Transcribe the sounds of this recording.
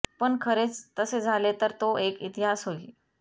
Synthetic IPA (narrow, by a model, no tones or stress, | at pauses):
pəɳkʰəɾet͡st̪əsed͡zʱalet̪əɾt̪oʔekit̪iɦasɦoiː